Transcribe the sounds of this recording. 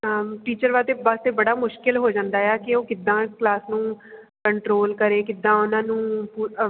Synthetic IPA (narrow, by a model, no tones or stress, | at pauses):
ʈiːt͡ʃəɾʋaːt̪eːbast̪eːbəɽaːmʊʃkɪlɦoːd͡ʒãːnd̪aːjɛːkɪoːkɪd̪ːãːklaːsnũː | kəɳʈɾoːlkəɾeːkɪd̪ːãːʊnãːnũːpuː